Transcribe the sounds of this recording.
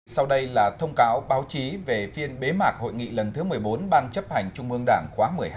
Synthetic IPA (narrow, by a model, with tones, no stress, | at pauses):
sa˧wɗə˧jlaː˨˩t̪ʰə˧wŋ͡mkaː˨˦wɓaː˨˦wt͡ɕi˨˦ve˨˩fi˧ənɓe˨˦maː˨˩k̚ho̰˧˨jŋḭ˧˨lə˨˩nt̪ʰɨ˨˦mɨ˨˩əjɓo˨˦nɓaː˧nt͡ɕə˦˥p̚ha˨˩jŋ̟t͡ɕʊ˧ŋ͡mʔɨ˧əŋɗaː˧˩ŋxwaː˨˦mɨ˨˩əjh